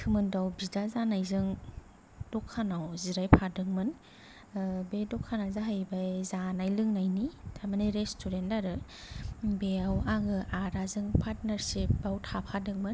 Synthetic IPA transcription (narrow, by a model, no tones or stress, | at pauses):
tʰɯmɯndawbidazanajzɯŋ | dɔkʰːanawziɾajpʰadɯŋmɯn | bedɔkʰanazaɦajbajzanajlɯŋnajnitʰamaniɾestʰuɾentaɾɯ | beawaɡɯʔaɾazɯŋpʰaɾt̚naɾsip̚bawtʰapʰadɯŋmɯn